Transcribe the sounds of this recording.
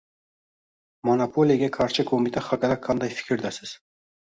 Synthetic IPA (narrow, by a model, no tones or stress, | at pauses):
monopʰolʲijaɡʲekʰɑɾʃɪkʰomit̪eχɑkɑɾɑkʰːɑnd̪ɑjfi̥kʲɪɾd̪æsɪz̥